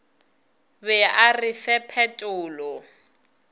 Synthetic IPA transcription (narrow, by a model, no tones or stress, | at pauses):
bɛarɪfɛpʰɛtʼʊːlɔ